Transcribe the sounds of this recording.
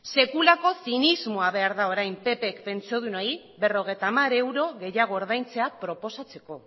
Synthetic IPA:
se̞kulako̞sinizmo̞aβe̞aɾðao̞ɾajmpe̞pekpe̞nt͡sio̞ð̞unai | βe̞ro̞ɣ̞e̞jt̪amaɾe̞wɾo̞ɣe̞jaɣ̞o̞ːɾð̞ajnt͡se̞apɾo̞po̞sat͡se̞ko̞

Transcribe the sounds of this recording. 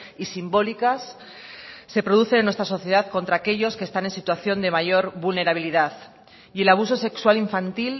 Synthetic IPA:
isimbo̞likasː | e̞pɾo̞ð̞uθe̞nenwe̞st̪ɾaso̞θje̞ð̞aðko̞nt̪ɾaːke̞ʎo̞ske̞st̪ane̞nsit̪waθjo̞nd̪e̞maʝo̞ɾβulne̞ɾaβiliðað | ie̞laβ̞uso̞se̞kswaliɱfant̪il

